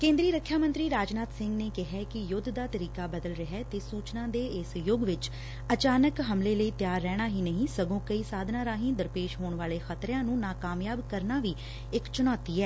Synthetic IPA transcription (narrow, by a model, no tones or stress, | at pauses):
kẽːnd̪ɾiːɾəkʰːjaːmə̃nt̪ɾiːɾaːd͡ʒnaːt̪sɪ̃ŋɡneːkɪɦɛːkɪjʊd̪ʱd̪aːt̪əɾiːkaːbəd̪əlɾəɦɛːt̪eːsuːt͡ʃnãːd̪eːɪsjʊɡʋɪt͡ʃ | ət͡ʃaːnəkɦəmleːləiːt̪ɪjaːɾːɛːɽ̃aːɦiːnəɦĩːsəɡõːkəiːsaːd̪ʱnãːɾaːɦĩːd̪əɾpeːʃɦoːɳʋaːleːxʰət̪ɾãːnũːnaːkaːmjaːbkəɾnaːʋiː | ɪkt͡ʃʊnɔːt̪iːɛː